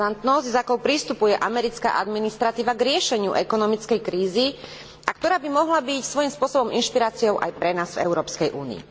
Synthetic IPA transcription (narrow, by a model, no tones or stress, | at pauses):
ant̪nɔzɟzakɔʊpɾist̪upujɛʔamɛɾit͡ska̰ːʔad̪minist̪ɾat̪iːʋaɡɾɪɛʃɛɲɪṵʔɛkɔnɔmit͡skɛjkɾiːzi | ak̚t̪ɔɾaːbimɔɦlabicsʋɔjimspʊɔsɔbɔminʃpiɾaːt͡siɔʊʔa̰jpɾɛnaːzvɛ̰ʊɾɔːpskɛjʔuːnḭḭ